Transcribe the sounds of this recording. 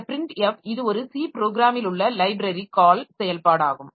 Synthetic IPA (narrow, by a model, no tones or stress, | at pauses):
pɪɾɪɳʈɛfɪðɯɔɾɯsiːpɾoːɡɾaːmɪlʊɭːɐlɐɪbɾɐɾikaːlsɛjɐlpaːɽaːɣɯm